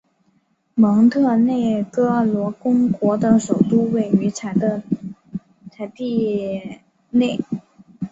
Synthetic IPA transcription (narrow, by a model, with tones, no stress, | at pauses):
mɤ˧˥ŋt̪ʰɤ˥˧ne˥˩ɪkɤ˥lwɔ˧˥kʊ˥ŋkwɔ˧˥t̪ɤ˧˥ŋʂo˨˩ʊt̪u˥we˨˩ɪy˧˥t͡sʰa˧˩d̪ə˧ | t͡sʰa˧˥ɪt̪i˥˧ | ne˥˩ɪ